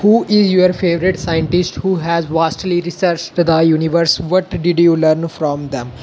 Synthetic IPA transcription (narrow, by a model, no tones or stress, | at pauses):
huːʔɪzjuəɾfeːʋəɾɪʈsaɪə̃ɳʈɪsʈhuːɦɛzʋaːsʈliɾɪsəɾt͡ʃʈd̪əjuːnɪʋəɾsʋɔʈɖɪɖjuːləɾnfɾɔ̃ːmd̪ɛ̃m